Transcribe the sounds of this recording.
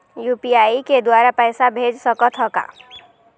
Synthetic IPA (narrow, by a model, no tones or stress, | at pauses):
jupijaiked̪waɾapəɪsabʱed͡ʒsəkət̪ɦəka̰